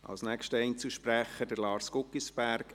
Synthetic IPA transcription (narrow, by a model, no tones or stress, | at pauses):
ɑ̰lsnɛkʃtəɛɪnt͡səʃpɾæχəd̥əɾlɑːɾskʊkːisb̥æɾk